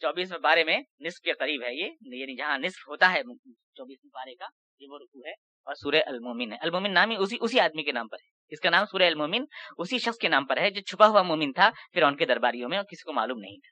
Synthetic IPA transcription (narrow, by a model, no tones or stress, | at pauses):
t͡ʃɔːbiːsmẽbaːɾemẽnɪsp̚keqɐɾiːbɦɛjeːjaːnid͡ʒɐɦãnɪspɦoːt̪aɦɛ | t͡ʃɔːbiːsmẽbaːɾeka | jeʋoɾʊkuɦɛ | ɔːɾsuːɾeʔɐlmoːmɪnɦɛʔɐlmoːmɪnːaːmiʊsiʔʊsiaːd̪mikenã̰ːmpɐɾɦɛː | ɪskanaːmsuːɾeɐlmoːmɪnʊsiʃɐxskenaːmpɐɾɦɛd͡ʒoːt͡ʃʰʊpaɦʊamoːmɪnt̪ʰafɪɾʊnked̪ɐɾbaːɾijõmẽɔːɾkɪsi̥koma̰ːluːmnɐ̰ɦĩt̪ʰḁː